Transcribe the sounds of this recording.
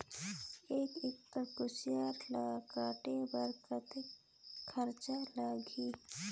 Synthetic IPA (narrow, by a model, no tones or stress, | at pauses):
eːkɪktəkʊsɪjaːɾlakaːʈebəɾkət̪e | kʰəɾt͡ʃalaːɡʱiː